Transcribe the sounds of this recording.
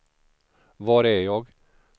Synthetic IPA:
vɑːɾæjɑːɡ

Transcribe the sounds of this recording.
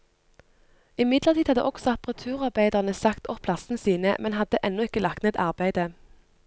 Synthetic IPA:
ɪmɪd̪ləʁt̪ʰiːd̪hɑd̪ə̰ʔɔksɔɑpəʁɑt̪ʰʉːʁɑʁbæɪd̪əʁnəsɑkt̪ɔpʰlɑsn̩siːnə̰mɛnhɑd̪əʔɛnːɔɪkəlɑkt̪ɛt̪ʰɑ̰ʁbæɪd̪ə

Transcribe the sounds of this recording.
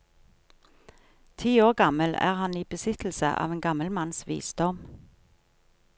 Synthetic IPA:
t̪ʰiːoːʁɡɑməlæ̰ːʁhɑniːbəsɪt̪l̩sə̰ʔɑ̰ːʋeːnɡɑməlmɑnsʋḭːsd̪ɔm

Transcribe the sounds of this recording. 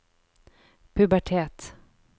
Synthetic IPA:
pʰɵbæʈʰeːt̪

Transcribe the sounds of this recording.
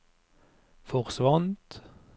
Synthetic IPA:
fɔʁsʋɑnt̪

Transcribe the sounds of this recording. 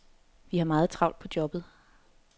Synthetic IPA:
ʋihɑ̈mɑ̈ːð̩ˠt͡sʰʁɑ̈ʊ̰nd̥pʰɒ̽d̥jɒ̽b̥ð̩ˠ

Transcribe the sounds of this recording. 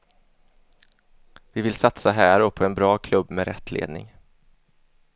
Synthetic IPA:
vɪvɪlsat̪saɦæːɾɔpʰɔɛnbɾɑːkʰlɵbːmɛɾɛ̰t̪ʰːlḛːd̪nɪ̰ŋ

